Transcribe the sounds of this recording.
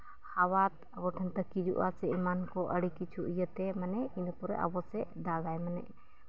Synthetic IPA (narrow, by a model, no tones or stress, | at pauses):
hawat̪əbɔʈʰɛnt̪əkid͡ʒṵʔa̰sɛimankɔʔəɽikit͡ʃʰuʔijət̪ɛmənɛinupɔɾɛ̰ʔə̰bɔsɛd̪aɡajmənɛ̰ʔ